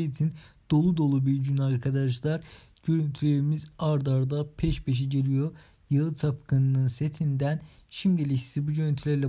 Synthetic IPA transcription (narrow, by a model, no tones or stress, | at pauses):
it͡ʃ̪ʰind̪̥o̞lˠud̪o̞lˠubiɾɟynaɾkʰad̪aʒlˠaɾ | ɟø̞ɾynt̪ʰylʲe̞ɾimizaɾd̪aɾd̪apʰɛʃbe̞ʃ̬iɟe̞lʲijo̞ | jɯlˠɯt̪ʰapkʰɯnɯnɯnse̞t̪ʰind̪æn | ʃimd̪elʲii̥sibuɟønynt̪ʰylʲæɾlʲɛ